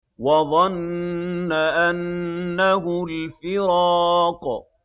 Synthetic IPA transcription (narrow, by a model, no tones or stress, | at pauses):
wɑðˤɑnː | aʔanːaɦʊlfɪɾɑq